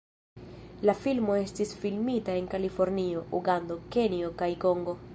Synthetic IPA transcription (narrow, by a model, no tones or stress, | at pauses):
lafilmo̞e̞stisfilmitae̞nkalifo̞ɾnio̞uɡando̞ke̞nio̞kajko̞ŋɡo̞